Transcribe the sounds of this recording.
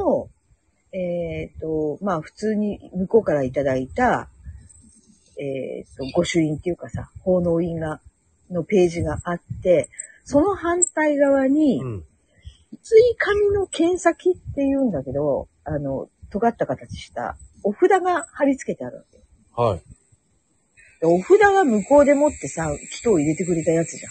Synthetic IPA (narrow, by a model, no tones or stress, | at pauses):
o | et̪o̞maːɸɯ̥t͡sɨːɲ̟imɯ̟ko̞kaɾait̪ad̪ait̪a | ḛt̪ːo̞ɡo̞ɕɨĩnt̪ːe̞jɯ̟kasa̰ho̞ːno̞ːiɡa | no̞pe̞ːʑiɡaʔat̪ːe̞ | so̞no̞ɦãnt̪aiɡaβ̞aɲ̟i | it͡sɨikʰamʲino̞kʰẽ̞ɰ̃sakʲit̪ːe̞jɯ̟̃ːnd̪ake̞d̪o̞ | ano̞̰t̪o̞ɡat̪ːakat̪at͡ɕi̥ɕi̥t̪a̰o̞ɸɯ̟d̪aɡahaɾʲit͡sɨ̥ke̞t̪e̞aɾɯ̟βa̰ke̞j | ha | d̪̥ao̞ɸɯ̟d̪aɡamɯ̟ko̞ːd̪e̞mo̞t̪ːe̞sakʲi̥t̪o̞ːiɾe̞t̪e̞k̬ɯ̟ɾe̞t̪ajat͡sɨʑã̰